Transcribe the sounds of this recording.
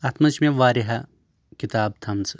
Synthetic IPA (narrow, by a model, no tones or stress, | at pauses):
ɐt̪mɐt͡ʃmẽʋaːɾiɦɐ | kit̪aːb̚t̪ʰɐmz